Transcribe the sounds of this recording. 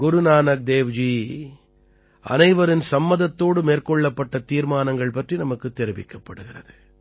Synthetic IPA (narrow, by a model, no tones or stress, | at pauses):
ɡʊɾɯnaːnɐk̚d̪eːʋd͡ʒiː | ʔɐ̰nɐɪʋɐɾɪnsɐmːɐðɐt̪ːoːɽɯmeːrkɔɭːɐpːɐʈːɐt̪iːɾmaːnɐŋɡɐɭpɐʈrinɐmɐkːɯt̪ːɛɾɪʋɪkːɐpːɐɽɯɣɪrɐ̰ðɯ